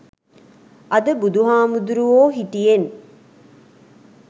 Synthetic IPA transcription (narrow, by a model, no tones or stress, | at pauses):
ʔɐd̪əbud̪uɦaːmud̪uɾuoːɦiʈijen